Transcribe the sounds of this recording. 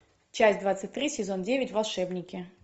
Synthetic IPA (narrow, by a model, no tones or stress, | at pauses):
t͡ɕæsʲt̚ʲd̪vat̪sɨt̚ʲt̪ɾʲisʲɪzo̞ndʲevʲɪtʲvɐlˠʂɛbnʲɪkʲɪ